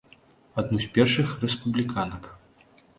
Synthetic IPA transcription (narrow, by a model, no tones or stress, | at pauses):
ad̪nusʲpʲɛrʂɨxrɛspublʲikanɐk